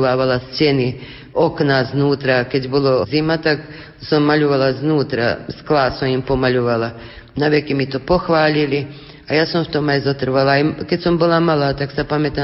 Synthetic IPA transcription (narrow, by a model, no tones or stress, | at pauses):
ʋaːʋalast͡sjeni | oknaznuːt̪ɾaked̪jbulˠoziːmat̪ak | samːaʎuʋalaznuːt̪ɾa̰sklaːsomimpomaʎuʋala | naʋekemit̪opoxʋaːʎili | ajaːsamwt̪omeizot̪r̩ʋalaiket̪ʲsombolˠamalˠat̪aksapamet̪a